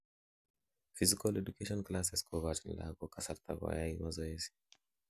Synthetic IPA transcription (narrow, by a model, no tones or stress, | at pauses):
fizikalɛdukeʃɔnklasɛskʰɔvatn̰la̰ɡɔkasaɾt̪ʰa̰ɡwa̰jaimazɔɛzi̥